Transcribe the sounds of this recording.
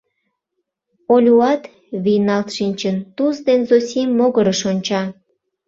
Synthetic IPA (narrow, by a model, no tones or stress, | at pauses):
olʲuɑt̪ | βijnɑlt̪ʃinʲt͡ɕənt̪uzd̪enzosʲimːoɣəɾəʃonʲt͡ɕɑ